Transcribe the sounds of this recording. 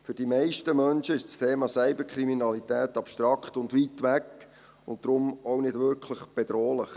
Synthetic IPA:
fyd̥imɛɪʃtəmœnʃəɪʃtst̪ʰeːmɑːsɛɪbəkʰɾiminɑlitɛːtɑpʃtɾɑkχtʊndʋiːtʋækː | ʊnt̚d̥̪ɾʊmoʊnɪdʋʏɾkʰləχb̥ɛd̪ɾoːlɪχ

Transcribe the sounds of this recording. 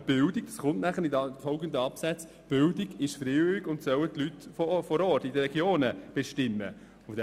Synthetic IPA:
b̥ɪldɪɡ̚d̥ɑsχʊntnæχəɾɪdɑfɔʊɡənd̪əɑpsæt͡s | b̥ɪldɪɡɪʃfɾeːɪiɡʊntsœwətlytfɔfɔɾɔːtidəɾːɛɡjoːnəb̥eʃtɪmːə̰ | fdɛ

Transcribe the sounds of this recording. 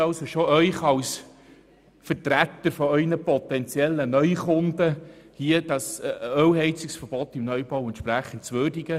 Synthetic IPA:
ɑsoʃoœʏχɑws | fəɾtɾæt̪ːəɾfɔœʏnəpɔt̪ɛnt͡sjɛlːənœʏχʊndəhiəd̥ɑsœwɦɛɪt͡sɪksfəɾbɔt̪imnœʏbɑwɛntʃpɾæχən̩tt͡sʋøːrdiɡ̥ə

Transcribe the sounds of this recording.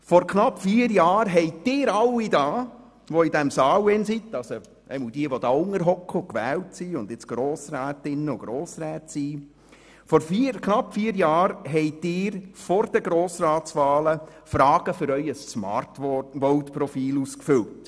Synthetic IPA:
fɔɾkʰnɑpːfiːəɾjɑːɾɦɛɪtd̥ɪːɾɑlːidɑː | ʋoidɛmsɑːwɛnsit̪ːɑso | ʔɛ̰ɪmɔldiəʋɔd̥̪ɑːʊŋəɾɦɔkəʊkʋɛːltsiʊnd̪ɪt͡sɡ̥ɾoːsɾæːtɪnːəʊɡ̥ɾoːsɾæːtsiː | fɔɾfkʰnɑpːfiːəɾjɑːɾɦɛɪdɪːɾfɔɾd̥əɡɾoːsɾɑːtsʋɑːləfɾɑːɡ̥əfʏɾœʏəssmɑ̰tʋɔwtpɾɔfiːluskfʏlt

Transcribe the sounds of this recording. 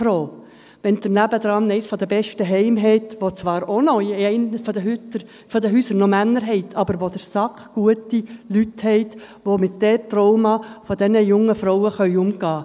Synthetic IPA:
fɾoː | ʋɛntɪmlæbəd̪ɾɑnːɛɪsfɔd̥̪əbɛʃtəɦɛɪmɦɛɪt̪ʋot͡sʋɑːɾonɔɛɪnfdəɦytə | fɔd̪əɦyːsəɾnɔmænːəɾɦɛɪtʰɑbəɾʋodəɾsɑkχɡ̥uətilythɛɪt | ʋomɪt̚d̥ɛtrɔʊmɑfɔd̪ɛnəjʊŋːəfɾɔwəχœʏʊmɡ̥ɑː

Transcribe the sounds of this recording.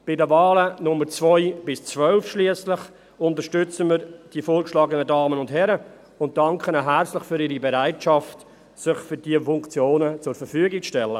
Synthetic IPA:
b̥ɪdəvɑːlənʊmːəɾt͡svɔʏb̥ɪst͡svœlfʃliəslɪχ | ʊntəɾʃtʏt͡səməɾd̥ifoːɾkʃlɑːɡənədɑːmənʊntɦɛɾə | ʊnt̚d̥ɑŋkχənaɦæɾt͡slɪχfyɾiːɾibɛɾaɪtʃɑft | sɪχfʏɾd̥iəfʊŋkt͡sjoːnət͡sʊɾfəɾfyəɡɪk̚t͡sʃtɛlːə

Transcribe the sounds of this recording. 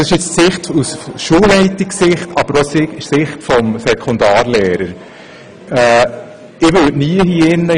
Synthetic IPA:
ɪʃɪt͡ssɪχtusʃuːlːɛɪtɪksɪχtɑb̥əɾɔsɪsɪχtfɔmsɛkʰond̪ɑːɾlɛːɾəɾ | ɛː | ɪʋøtniəɦiɪnːə

